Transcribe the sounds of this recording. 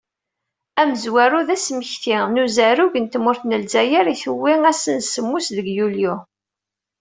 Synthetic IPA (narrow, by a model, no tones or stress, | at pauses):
æməzwæɾuðæsməçt̪inuzæɾuʝənt̪mʊɾθnəlzæjəɾiθəwːiæsənsəmːusðəɡjulju